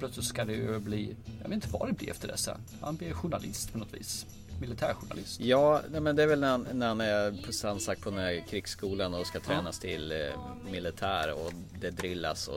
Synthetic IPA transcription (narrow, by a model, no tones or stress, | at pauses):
plœt̪slɪt̪skad̪ɛbliːɑveːt̪ɪt̪əva̰d̪ɛblḭːɛ̰ft̪əɖɛ̰sɛ̰n | ha̰nb̪ɪɾɧʊɳalɪst̪pʰɔnɔt̪vḭːs | mɪlɪt̪ʰæːɾɧʊɳa̰lɪst̪jɑːnɛmɛnd̪ɛæɾvɛlnæhannæɾhanæpʰɔsansak̚t̪pʰɔd̪ɛnæɾkʰɾɪɡsːkuːlanɔskat̪ʰɾɛːnast̪ʰɪl | mɪlɪt̪ʰæːɾɔ̰ | d̪ɛd̪ɾɪlːa̰sɔ̰